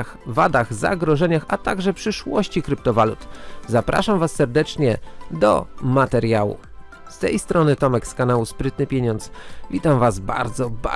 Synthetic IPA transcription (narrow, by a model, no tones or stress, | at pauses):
xvad̪aɣza̰ɡɾɔʐɛɲaxat̪aɡʐɛpʂɘʂwɔɕt͡ɕikɾɘpt̪ɔvalut̪zapɾʔa̰ʂamvasːɛɾd̪ɛt͡ʂɲɛd̪ɔ̰mat̪ɛɾjawṵ | st̪ɛjst̪ɾɔnɘt̪ɔmɛkskanawuspɾɘt̪nɘpʲjeɲɔnt̪svʲit̪amvazba̰ɾd̪zɔba